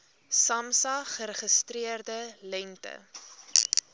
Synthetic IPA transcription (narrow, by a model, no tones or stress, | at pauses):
sɐmsɐχəɾəχəstriərdəlɛntə̰